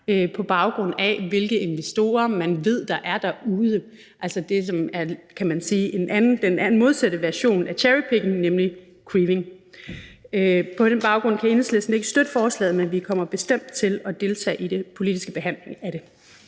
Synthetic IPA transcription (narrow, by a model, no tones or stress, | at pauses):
øpʰɒ̽b̥ɑ̈ʊɡ̥ʁɔ̽n̰æʋe̝lɡ̥əe̝nʋesd̥o̝̰ːɐmænʋe̝ð̞̰ˠd̥ɑ̈ʔæɐd̥ɑuːð̞ˠə | ʔælsɐd̥e̝sɒ̽mæɐkʰæmænsiːʔenʔænn̩d̥enænn̩moð̞ˠsæd̥əʋæɐɕo̝̰ːnæɐɕʰæɹipʰeɡ̥n̩nemli | kʰʁiʋe̝ŋ | øpʰɒ̽d̥enb̥ɑ̈ʊɡ̥ʁɔ̽n̰kʰæe̝nəslesn̩e̝ɡ̥əsd̥ød̥əfɒːslɛ̰ːð̩ˠmenʋikʰɒ̽m̰ɐb̥e̝sd̥em̰d̥̚t͡sʰe̝lɒ̽d̥e̝ːlt͡sʰɛ̰ːid̥e̝pʰo̝lid̥isɡ̥əb̥e̝ɦæn̰le̝ŋæɾ̥e̝